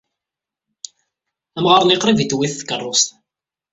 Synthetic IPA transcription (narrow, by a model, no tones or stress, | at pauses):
æmʁəɾˤniqɾivit̪wiθːə̥kːərˤːost